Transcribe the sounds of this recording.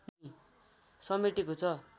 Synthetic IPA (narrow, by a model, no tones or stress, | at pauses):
i | sʌmeʈikot͡sʰʌ